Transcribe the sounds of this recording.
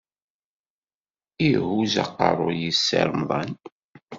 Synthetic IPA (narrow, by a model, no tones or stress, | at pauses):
ihuzɑ̰qːɑ̰ɾˤojisːə̰ɾmðˤɑ̰n